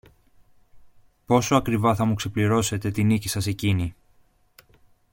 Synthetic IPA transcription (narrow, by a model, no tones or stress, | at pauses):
po̞soɐkɾivɐθɐmukse̞pliɾo̞se̞t̪e̞t̪inicisɐse̞cini